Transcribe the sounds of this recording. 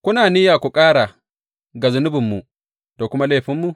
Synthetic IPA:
kʷʊ˦naː˨niː˦jaː˨kʷu˨kʼaː˦ɽa˨ | ɡa˨zʊ˨nʊ˦bɪ˨mːu˨ | d̥a˨kʷʊ˦ma˦leː˦˨ɸɪ˦mːu˨

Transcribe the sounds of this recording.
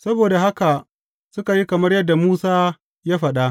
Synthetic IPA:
sɐ˦boː˨da˨ɦa˦ka˨ | sʊ˦ka˨ji˦kɐ˨mɐ˦rjɐ˦dːa˨muː˦saː˦ | jaː˦ɸɐ˨ɗa˦ʔ

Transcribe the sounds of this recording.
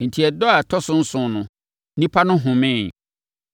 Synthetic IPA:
n̩˨tʰi˨ɛ˨dɔ˦a˨tʰɔ˦sʊ̃˦n̩˦sʊ̃˦nʊ̃˨ | nĩ˦pʰa˦nʊ̃˦ɦʊ̃˨mɪ̃˦˨n

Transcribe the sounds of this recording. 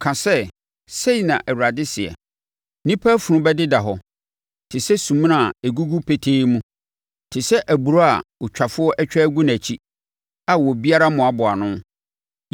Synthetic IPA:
kʰã˨sɛ˦ | se˦i˨nã˨ʔæ˨wu˨ɾa˨dɪ˦sɪ˨ɛ̰˨ | nĩ˦pʰa˦fʊ˨ɾʊ̃˦bɛ˦dɪ˦da˨ɦɔ˦ | tʰɪ˨sɛ˦sũ˨m̃˦nã˨e˨ɡu˦ɡu˦pʰe˨tʰeː˦mũ˦ | tʰɪ˨sɛ˦ʔæ˨bu˨ɾo˦a̰˨ʊ˨t͡ɕᶣʰa˨fʊ˦ɔ˦ʔɛ˦t͡ɕᶣɛ˦æ˦ɡu˦næ̃˨t͡ɕʰi˦ | a˨wɔ˨bi˦a˦ɾa˦mʊ̃˨a˨bʊ˨a˨nʊ̃˦

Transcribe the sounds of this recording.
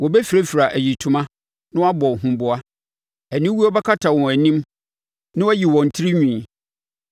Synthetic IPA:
wɔ˨bɛ˦fi˨ɾe˦fi˨ɾa˨ʔæ˨ji˨tʰũ˨mã˦ | nʊ̃˦wa˦bɔ˨ɦũ˨bʊ˨a˦ | æ˨nĩ˦wu˦ɔ˦bɛ˦kʰa˦tʰa˨wɔ̃˨æ˨nĩ˦m | nɪ̃˦wɔ˦ji˨wɔ̃˨n̩˨tʰɪ˦ɾi˦ɲᶣĩ˨

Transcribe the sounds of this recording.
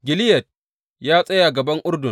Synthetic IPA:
ɡʲɪ˨lɪ˦jɐ˨t̚ | jaː˦sʼɐ˦jaː˨ɡɐ˨bɐ˦ŋʔʊ˦rdʊ˨

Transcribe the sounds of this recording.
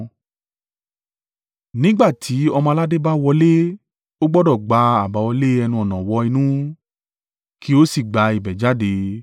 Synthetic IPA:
nĩ˦ɡ͡ba˦˨tʰi˨˦ɔ˧mã˧la˦de˦ba˦wɔ˧le˦ | o˦ɡ͡bɔ˦dɔ˦˨ɡ͡ba˧˦a˨ba˨˧wɔ˧le˦ɛ˧nũ˧ɔ˨nã˨wɔ˧˦i˧nũ˦ | kʰi˨˦o˦si˦˨ɡ͡ba˨˧i˨bɛ˨d͡ʒa˨˦de˧

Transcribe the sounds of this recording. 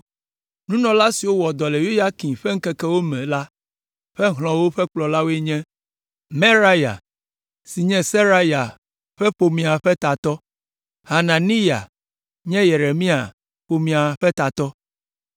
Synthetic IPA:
nũ˦nɔ̃˨la˦si˨wo˦wɔ˨d̪ɔ˨le˨ju˦ja˦kĩ˨ɸe˦ŋ̩˦kɛ˦kɛ˦wo˦mɛ̃˨la˦ | ɸɛ˦ɦl̃ɔ̃˨wo˦ɸɛ˦k͡plɔ˨la˦wo˦e˦ɲɛ̃˦ | me˦ɾa˦ja̰˨ | si˨ɲɛ̃˦se˦ɾa˦ja˨ | ɸɛ˦ɸo˨mĩ˨a˨ɸɛ˦t̪a˨t̪ɔ˦ | ha˨nã˨ni˦ja̰˨ | ɲɛ̃˦je˨ɾe˨mĩ˦a̰˨ | ɸo˨mĩ˨a˨ɸɛ˦t̪a˨t̪ɔ˦

